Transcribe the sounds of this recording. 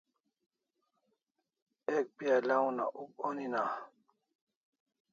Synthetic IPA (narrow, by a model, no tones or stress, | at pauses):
ek̚pialaũna̰ʔukonina